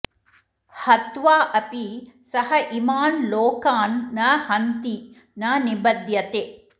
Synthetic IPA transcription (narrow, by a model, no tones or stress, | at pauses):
hɐt̪ʋaːʔɐpisɐhɐʔimaːnloːkaːnːɐhɐnt̪i | nɐnibɐd̪jɐt̪eː